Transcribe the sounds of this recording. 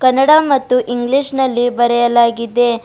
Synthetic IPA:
kɐnːɐɽamɐt̪ːuʔiŋɡliʂnɐlːibɐɾɛjɐlaːɡid̪e̞

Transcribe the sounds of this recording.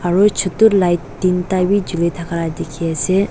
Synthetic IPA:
aɹut͡ʃʰut̪uɾlajtːintabid͡ʒulit̪ʰakaɾad̪ekʰiasɛ

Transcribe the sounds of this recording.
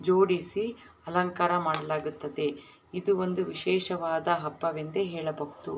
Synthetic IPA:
d͡ʒoːɽisi | ɐlɐŋkaːɾɐmaːɽɐlaːɡut̪ːɐd̪e̞ | id̪uond̪uʋiʃɛːʃɐʋaːd̪ɐɦɐbːɐʋend̪eɦeːɭɐbɐɦut̪u

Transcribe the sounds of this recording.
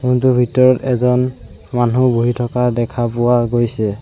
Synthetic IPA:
kuntubʱitɔɹɔtɛzɔn | manuboɦitʰɔkadɛkʰapʊwaɡojsɛ

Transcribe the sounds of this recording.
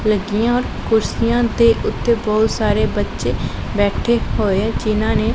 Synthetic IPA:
ləɡijãːɔːɾ | kʊɾsɪjãːd̪eːʔʊt̪ːeːbɔːt̪saːɾeːbətːʃeː | bɛːʈʰeːhoːeːɛd͡ʒɪnãːneː

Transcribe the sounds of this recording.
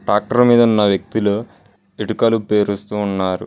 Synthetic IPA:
ʈaːk̚ʈɐɾmiːd̪ɐunːɐʋjɐk̚t̪ilu | iʈukɐlupe̞ːɾust̪uːnːaːɾṵ

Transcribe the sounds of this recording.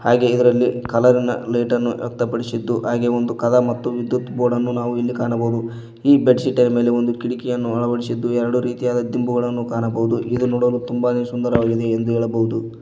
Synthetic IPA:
haːɡe̞id̪ɐɾɐlːikɐlɐɾinɐ̰leːʈɐnːuʔɐk̚t̪ɐpɐɽisid̪ːuɦaːɡe̞ːo̞nd̪ukɐd̪amɐt̪ːuʋid̪jut̪boːɖɐnːunaːʋuilːikaːɳɐbɐud̪u | iːbeɖsiʈːɐɾɐme̞ːleo̞nd̪ukiɽikɛjɐnːuɐɭɐʋɐɽisid̪ːuɛɾɐɽuɾiːt̪ijaːd̪ɐd̪imbuɡɐɭɐnːukaːɳɐbɐʋud̪uʔid̪unuːɽɐluːt̪umbad̪sund̪ɐɾɐʋaːɡid̪e̞ːnd̪uɦɛːɭɐbɐɦud̪u

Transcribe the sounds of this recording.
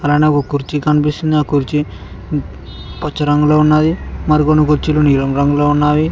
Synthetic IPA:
ɐlaːneokokuɾt͡ʃikɐnipist̪und̪iaːkuɾt͡ʃi | pɐt͡ʃːɐɾɐŋɡuloːunːaːd̪imɐɾikonːukuɾt͡ʃiloniːɾɐŋɡɾɐŋɡuloːunːaːji

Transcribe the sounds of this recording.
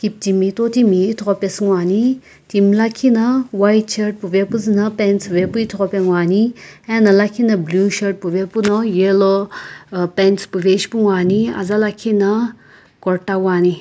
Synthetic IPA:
kip̚timit̪ot̪imit̪ʰɔpesŋwaːni | t̪imlakʰinɐwajt̚t͡ʃʰɐɾʈ̚pubepɨznɐpent͡sʋepuit̪ʰɔpeŋwaːniɛnɐlakʰinɐbluʃɐɾʈ̚puʋepunɐjelo | penspuʋeʃpuŋwaːnia̰zalakʰinɐ | kɔɾʈawaːni

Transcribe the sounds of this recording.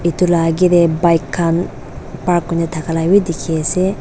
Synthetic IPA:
ʔɪt̪ʊlaːɡɪd̪ɛbɐjkːan | paɾkːʊɲɛt̪ɐkɐlawɪd̪ɪkʰeːsɛ

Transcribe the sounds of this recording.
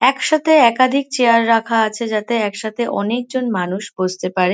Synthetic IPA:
ɛkʃat̪ʰeɛkad̪ʱik̚t͡ɕeaɾːakʰaat͡ɕʰed͡ʑat̪eɛkʃat̪eʔɔ̰nek̚d͡ʑonmanuʃbod͡ʑʱt̪epaɾe

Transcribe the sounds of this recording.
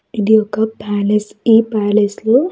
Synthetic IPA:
id̪iɔkɐpaːlesipaːleslu

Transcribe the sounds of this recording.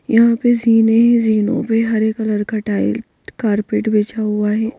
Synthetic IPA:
jɐɦãpeziːnẽɦɛ̃ziːnõ̰peɦɐɾeːkɐləɾkɐʈaːɪ̰l | kaːɾpeːʈbeːt͡ʃaɦʊaɦɛː

